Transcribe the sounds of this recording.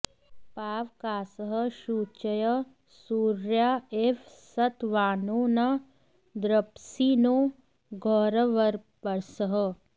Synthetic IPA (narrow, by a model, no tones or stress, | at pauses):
paːʋkaːsəɦəʃuːt͡ʃəjə | suːɾjaːefʰsɐt̪ʋaːnoːnɐ | d̪ɾɐpsiːnoː | ɡʱɔːɾəʋɐɾpɐɾsəɦə